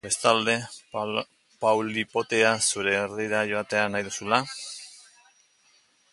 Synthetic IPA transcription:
be̞st̪ald̪e̞ | pawlipo̞t̪e̞asuɾe̞ːriɾaʝo̞at̪e̞anajðusula

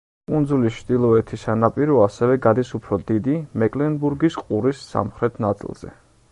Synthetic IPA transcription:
pʼund̪zulist͡ʃʰd̪ilˠɔɛt̪ʰisanapʼiɾɔasɛvɛɡad̪isupʰɾɔd̪id̪imɛkʼlɛnbuɾɡisqʼuɾisːa̰mχɾɛt̪ʰnat̪sʼḭlˠz̥ɛ̰

